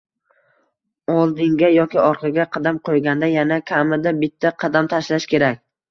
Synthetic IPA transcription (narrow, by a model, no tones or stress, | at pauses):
ɒlˠd̪ɪŋɡʲajɒkʲɪɒɾqʰɑɡʲaqʰɑd̪amqʰojɡʲand̪ajanakʲʰamɪd̪abɪt̪ʰːaqʰɑd̪amt̪ʰaʃlaʃkʲe̞ɾakʲ